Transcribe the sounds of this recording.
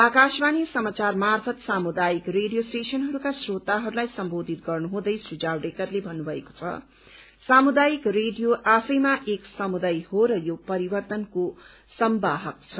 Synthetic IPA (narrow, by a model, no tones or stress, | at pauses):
akasbanijʌsʌmat͡sarmarpʰʌt̪samud̪ajikreɖijosʈesʌnɦʌɾukasrot̪aɦʌɾulajsʌmbod̪ʱit̪̚ɡʌrnuɦũd̪ʌjsrid͡zawɖekʌrlebʱʌnːubʱʌeko̥t͡sʰʌ̰ | samud̪ajikreɖijoʔapʰʌjmaʔeksʌmud̪ajhoɾʌjopʌɾibʌrt̪ʌnko | sʌmbaɦʌk̚t͡sʰʌ